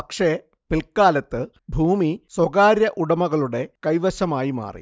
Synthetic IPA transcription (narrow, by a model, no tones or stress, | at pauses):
pɐkʂe | pilkaːlɐt̪ːɨ | bʱuːmiswɐɣaːɾjɐʔuɽɐmɐɣɐɭuɽe̞kɐjʋɐɕɐmaːjima̰ːrḭ